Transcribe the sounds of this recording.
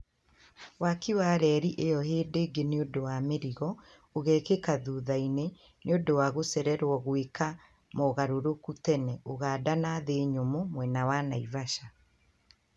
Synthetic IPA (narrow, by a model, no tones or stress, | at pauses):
wakiwaːɾɛɾiʔejɔheːdeːɡeneodowameɾiɣɔ | oɣɛkekaðuːðaine | neodowaɣosɛɾɛɾwɔɣweka | moɣaɾoɾokutɛnɛoɣaːdanaðeːɲomomwɛnawanaivaʃa